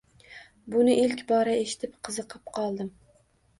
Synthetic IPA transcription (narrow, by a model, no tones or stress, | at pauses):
bʊnɪʔilkʲbɒɾaeʃɪ̥t̪ʰɪpqʰɨzɨqʰɨp̚qʰɒlˠd̪ɪm